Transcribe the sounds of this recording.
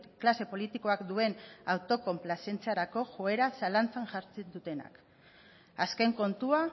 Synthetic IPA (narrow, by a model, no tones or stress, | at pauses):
klase̞po̞lit̪iko̞akd̪ue̞nawt̪o̞ko̞mplase̞nt͡seaɾako̞ʝo̞e̞ɾasalant͡saŋʝaɾt͡send̪ut̪e̞na̰k | aske̞ŋko̞nt̪ua